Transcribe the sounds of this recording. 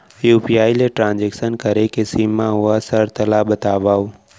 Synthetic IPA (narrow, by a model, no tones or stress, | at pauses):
juːpiaːileʈɾãːnd͡ʒeːksənkəɾekɪsiːmːãɦʊasəɾt̪əlaːɓət̪aːʋaːu